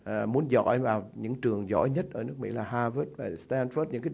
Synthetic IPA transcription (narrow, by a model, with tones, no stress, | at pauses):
mu˨˦ənzɔ̰˧˨˥jvaː˨˩wɲɨ̰˧˥ŋt͡ɕɨ˨˩əŋzɔ̰˧˥jɲə˦˥t̚ʔəː˧˩nɨ˦ək̚mḭ˧˥laː˨˩ɦaː˧vəː˦˥t̚vaː˨˩st̪ɛː˧nfəː˦˥t̚ɲɨ̰˧˥ŋkaː˨˦